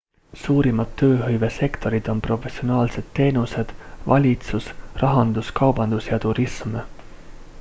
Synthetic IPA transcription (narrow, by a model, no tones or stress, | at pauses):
suːɾimɑd̪̥ːø̞ːɦɤ̞jve̞se̞kt̪o̞ɾid̪̥o̞npro̞fe̞sionɑːlse̞d̪̥t̪ːe̞ːnuse̞d̪̥vɑ̰lʲit̪susrɑɦɑnd̪̥uskɑwb̥ɑnd̪̥usjɑt̪uɾism